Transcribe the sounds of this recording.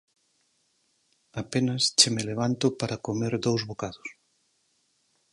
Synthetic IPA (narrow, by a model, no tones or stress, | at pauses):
apenɐst͡ʃemeleβ̞ant̪ʊpaɾɐkomeɾd̪owzβokaðʊs